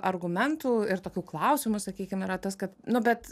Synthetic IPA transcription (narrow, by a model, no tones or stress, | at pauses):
ʔɐrɡʊmʲɛnt̪uːɪɾt̪oːkʲuːklˠɐʊsʲɪmʊsɐkʲiːkʲɪmiɾɐt̪ɐskɐt̪nʊbʲɛt̪